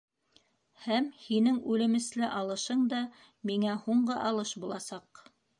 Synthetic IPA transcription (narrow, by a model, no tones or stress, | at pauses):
hæmhinɘŋʉlɘ̆mɘ̆slɘʔɑlˠɤ̆ʃɤɴd̪ɑ | miŋæhuɴɢɤʔɑlˠɤʃbulˠɑsɑq